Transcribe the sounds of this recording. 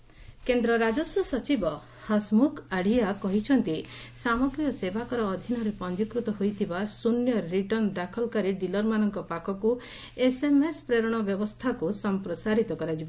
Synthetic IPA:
kend̪ɾɔɾad͡ʒɔsɔsɔt͡ʃibɔ | hɔsmukʰaɽ̤ijakɔɦit͡ʃʰɔnt̪isamɔɡɾijɔsebakɔɾɔːd̪ʱinɔɾepɔnd͡ʒikɾut̪ɔɦojt̪ʰibasunjɔɾːiʈɔnd̪akʰɔlkaɾiɖilɔɾmanɔŋkɔpakʰɔku | esemespɾeɾɔɽ̃ɔbjɔbɔst̪ʰakusɔmpɾɔsaɾit̪ɔkɔɾad͡ʒibɔ

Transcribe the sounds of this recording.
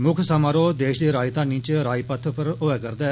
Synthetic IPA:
mʊkʰsaːmaːɾoːd̪eːʃd̪eːɾaːɪt̪ãːnĩːt͡ʃɾaːipət̪ʰpəɾoʋɛːkəɾd̪ɛː

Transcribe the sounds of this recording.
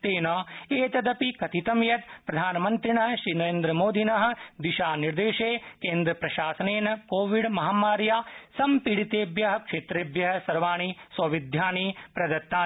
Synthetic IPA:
t̪eːnɐeːt̪ɐd̪ɐpikɐt̪it̪ɐmjɐt̪pɾɐd̪ʱaːnmɐnt̪ɾinɐɦʃɾiːnɐɾeːnd̪ɾɐmoːd̪ʱinɐɦɐ̆d̪iʃaːniɾd̪eːʃeːkẽːnd̪ɾɐpɾɐʃaːsɐneːnɐkoːʋiɽmɐɦaːmaːɾjaːsɐmpiɽit̪eːbjɐɦɐ̆kʂeːt̪ɾeːbjɐɦɐ̆sɐɾʋaːɳ̃isʋɐʋid̪ʱjaːnipɾɐd̪ɐt̪ːaː

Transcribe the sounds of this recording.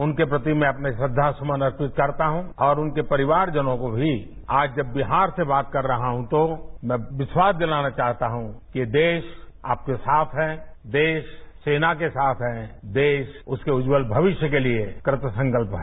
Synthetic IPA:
ʊnkepɾɐt̪imɛ̃ɐpnesɐd̪ʱːasɐmənɐɾpɪt̪kɐɾt̪aɦũɔːɾʊnkepɐɾɪʋaːɾd͡ʒɐnõkobʱi | aːd͡ʒd͡ʒɐbːɪɦaːɾsebaːt̪̚kɐɾːɐɦaɦũt̪omɛ̃ʋɪswaːsd̪ɪlaːnat͡ʃaːɦt̪aɦũkied̪eːʃa̰ːp̚kesaːt̪ʰɦɛːd̪eːʃseːnakesaːt̪ʰɦɛːd̪eːʃʊskeʊd͡ʒwəlbʱɐʋɪʃjəkeliekɾɪt̪əsə̃ŋkəlpɦɛ

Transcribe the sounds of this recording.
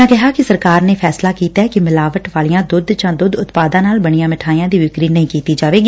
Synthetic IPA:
ãːkɪɦaːkɪsəɾkaːɾneːpʰɛːslaːkiːt̪aːɛːkɪmɪlaːʋəʈʋaːlɪjãːd̪ʊd̪d͡ʒãːd̪ʊd̪ʊt̪paːd̪ãːnaːlbəɽ̃ijãːmɪʈʰaːijãːd̪iːʋɪkɾiːnəɦĩːkiːt̪iːd͡ʒaːʋeːɡi

